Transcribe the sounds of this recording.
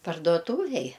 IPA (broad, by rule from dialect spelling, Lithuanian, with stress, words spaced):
pɐrduɔˈtuːʋʲeːj